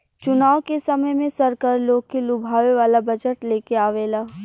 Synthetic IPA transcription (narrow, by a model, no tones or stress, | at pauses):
t͡ʃʊnaːʋwkesɐməjmẽsɐɾkəɾloːɡ̚kelʊbʱaːʋeʋaːlabɐd͡ʒəʈleːkeaːʋeːlaː